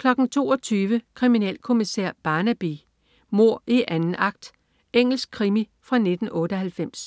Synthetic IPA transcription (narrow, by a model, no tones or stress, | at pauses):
kʰlɒ̽ɡ̥n̩t͡sʰo̝̰ːɒ̽t͡sʰyːʋəkʰʁiminɛ̰ːlkʰo̝misḛɐ̰b̥ɑ̈ːnæb̥i | mo̝ɐ̰iʔænn̩ɑ̈ɡ̥̚d̥ | eŋ̰l̩sɡ̥̚kʰʁimifʁɑ̈ne̝d̥n̩ʔɔ̽ːɾəɦhælfem̰s